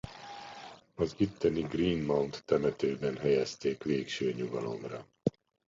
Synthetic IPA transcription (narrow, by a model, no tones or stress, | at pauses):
ɒzit̪ːɛniɡriːnmawnt̪ːɛmɛt̪øːbɛnɦɛjɛst̪eːkʋeːkʃøːɲuɡɒlo̞̰mrɒ